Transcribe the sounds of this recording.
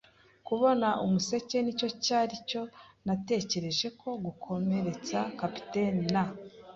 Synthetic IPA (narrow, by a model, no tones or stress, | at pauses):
kuβo̞naʔumuse̞ce̞nico̞caːɾico̞nate̞ːce̞ɾe̞ʒe̞kʰo̞ɡukʰo̞me̞ɾe̞t͡sakapi̥tenːa